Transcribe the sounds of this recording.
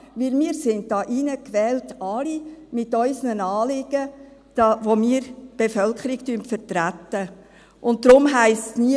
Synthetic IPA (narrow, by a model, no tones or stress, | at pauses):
ʋɪlmiːəɾsɪntd̥ɑːʔinəkʋɛːltɑlimɪtœʏsnənɑːlɪɡ̥ə | d̥ɑːvomiːəɾb̥efœlkʰəɾɪktyəntfəɾtɾætːə | ʔʊnt̚dɾʊmɦæɪstsni